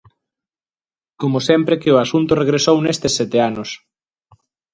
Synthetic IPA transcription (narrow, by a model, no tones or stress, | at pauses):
komosɛmpɾekeʊasunt̪ʊreɣɾesownest̪esːɛt̪eanos